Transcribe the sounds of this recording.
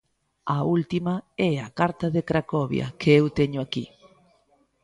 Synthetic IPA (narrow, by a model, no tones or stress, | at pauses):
ɐult̪imɐɛɐkaɾt̪ɐðekɾakɔβjɐ̰kʰeewt̪ɛɲʊakḭ